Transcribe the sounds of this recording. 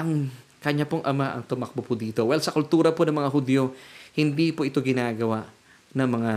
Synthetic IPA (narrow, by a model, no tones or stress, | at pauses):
ʔɐŋ | kɐɲapoŋʔɐmaʔɐ̰ŋt̪ʊmɐk̚bopʊd̪iːt̪o̞wɛlsɐkʊlt̪uːɾɐponɐŋmɐŋaɦʊd̪jo̞hɪnd̪ipoʔɪt̪o̞ɡɪnaːɡɐwaʔ | nɐŋmɐŋa